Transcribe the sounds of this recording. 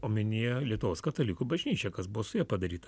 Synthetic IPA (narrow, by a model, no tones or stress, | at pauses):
oːmʲɪnʲeːjɛlʲiɛt̪ʊʋoːskɐt̪ɐlʲikuːbɐʒʲnʲiːt͡ʃʲɛkɐsbʊʋoːsʊjɛːpɐd̪ɐɾʲiːt̪ɐ